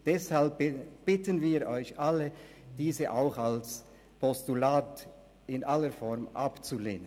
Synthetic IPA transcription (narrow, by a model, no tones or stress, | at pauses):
d̥ɛshalp̚b̥ɪtənviːɾʔɔʏçʔaləd̥iːzəʔaʊxals | pʰɔstulaːt | ɪnʔaləfɔɾmʔa̰pt͡sulḛːnən